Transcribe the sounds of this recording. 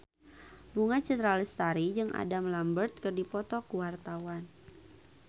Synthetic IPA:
buŋat͡ʃɛt̪ɾalɪst̪aɾid͡ʒɨŋʔa̰damlambərt̪̚kɨrdipɔt̪ɔkuwart̪awan

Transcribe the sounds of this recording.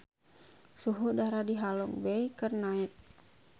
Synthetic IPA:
suɦudaɾadiɦalɔŋbɛikərnait̪̚

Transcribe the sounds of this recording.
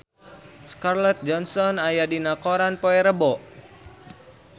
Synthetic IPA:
skarlɔt̪̚d͡ʒɔnsɔnajadinakɔɾanpoɛɾəbɔʔ

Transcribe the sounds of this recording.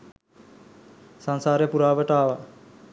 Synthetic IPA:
saŋsaːɾjəpuɾaːʋəʈaːʋa

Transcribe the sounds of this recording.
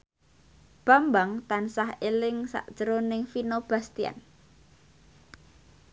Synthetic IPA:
b̥a̤mbaŋt̪ansahelɪŋsa̰ʔd̥ʒ̥əɾonɪŋfinob̥a̤st̪ia̰n

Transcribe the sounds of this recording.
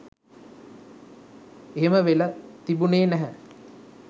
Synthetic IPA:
eɦeməʋelət̪ibuneːnæɦə

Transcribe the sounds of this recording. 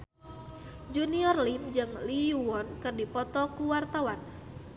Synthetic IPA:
d͡ʒuniɔrlimd͡ʒɨŋliuwɔnkɨrdipɔt̪ɔkuwart̪awan

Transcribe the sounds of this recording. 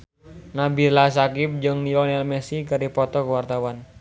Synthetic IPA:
nabilasakɪp̚d͡ʒʊŋnilɔnɛlmɛsikəɾipɔt̪ɔkuwart̪awan

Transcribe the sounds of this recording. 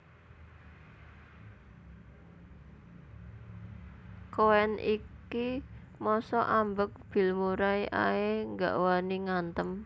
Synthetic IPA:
koɛnʔḭki | mɔsɔʔambək̚b̥i̤lmuɾaiʔa̰eŋɡa̰ʔwaniŋant̪əm

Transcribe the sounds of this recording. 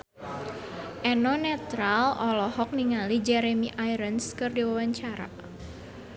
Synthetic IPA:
ʔɛnɔnɛt̪ɾalɔlɔhɔk̚niŋalid͡ʒɛɾemiʔajɾənskɨrdiwawaɲt͡ʃaɾa̰

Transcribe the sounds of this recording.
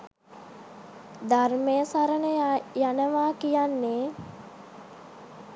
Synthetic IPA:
d̪armejəsaɾənəjanəʋaːkijanːeː

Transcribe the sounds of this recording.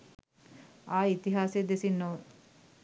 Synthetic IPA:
aːit̪iɦaːsed̪esinːoʋ

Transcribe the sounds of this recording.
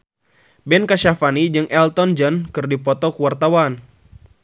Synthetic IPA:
bɛnkaʃafanid͡ʒɨŋʔɛlt̪ɔnd͡ʒənkɨrdipɔt̪ɔkuwart̪awan

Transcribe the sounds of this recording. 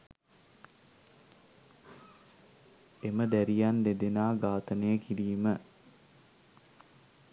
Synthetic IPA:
eməd̪æɾijand̪ed̪enaːɡaːt̪ənəjəkiɾiːmə

